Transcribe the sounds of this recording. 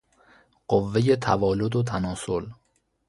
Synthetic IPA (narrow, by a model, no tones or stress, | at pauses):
ɢ̥ovːeje̞t̪ʰæ̰vɒːlod̪ot̪ʰænɒːsol